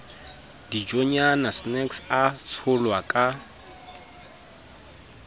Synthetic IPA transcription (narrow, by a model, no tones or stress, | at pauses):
d̥id͡ʒɔɲanasnɛksat͡sʰʊlwakʼa